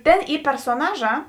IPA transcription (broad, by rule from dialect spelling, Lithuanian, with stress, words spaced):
ˈtʲeːn ˈiː pʲɛrsoːˈnɑːˌʒɑː